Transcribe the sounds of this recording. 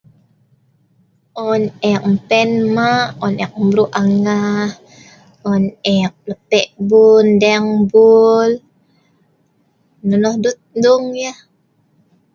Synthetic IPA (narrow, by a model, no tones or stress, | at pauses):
ʔɔnɛk̚m̩pɛnmaʔɔnɛk̚mbɾuʔaŋah | ɔnɛk̚ləpɛʔbundɛŋbul | nunɔhdut̪̚duŋjah